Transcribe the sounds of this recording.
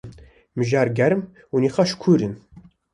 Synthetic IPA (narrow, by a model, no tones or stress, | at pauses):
mɨʒaːɾɡæɾm | uniːχɑʃkʷʰuːɾɨn